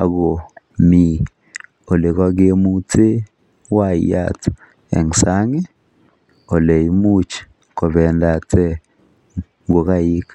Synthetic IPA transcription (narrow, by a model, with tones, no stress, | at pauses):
a̰˨ɡo˨ | mi˨ | o˨le˨ka˦ɡe˦mu˦tʰe˦ | wa˦˨ja̰˨t | ɛ̰˨ŋsa˦ŋɛ˦ | o˨le˨i˦mu˦t͡ʃ | ko˨βɛ˨nda˨tʰɛ˦ | ɡo˨ka˦ji˦k